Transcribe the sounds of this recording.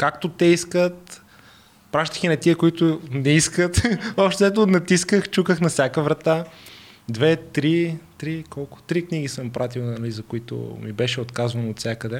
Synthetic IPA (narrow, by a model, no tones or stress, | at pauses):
kakt̪ot̪ɛiskət̪ | pɾaʃt̪ə̥xinɐt̪iəkʊit̪ʊnɛiskət̪ɔpʃt̪ɛɛt̪̬onɐt̪iskəxt͡ʃukəxnɐfsʲjakəvɾɐt̪a | d̪vɛt̪ɾit̪ɾikɔlˠkʊ̥t̪ɾikniɡisəmpɾat̪̬ilˠnɐlizɐkʊit̪ʊ̰mibɛʃɛot̪kazvɐnoot̪sʲjakəd̪ɛ